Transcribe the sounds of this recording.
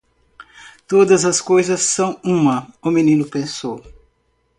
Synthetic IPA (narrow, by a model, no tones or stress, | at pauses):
t̪od̪ɐzɐskojzɐsːɐ̃w̃ũmɐʊmĩnĩnʊpẽsow